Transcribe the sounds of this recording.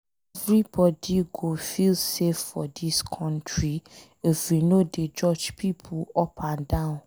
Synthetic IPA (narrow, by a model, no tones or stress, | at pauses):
ɛvɹibɔdiɡofilsefːɔdiskʰɔ̃ntɹi | efwinoded͡ʒɔd͡ʒpʰipʰuɔpʰãndãʊ̃n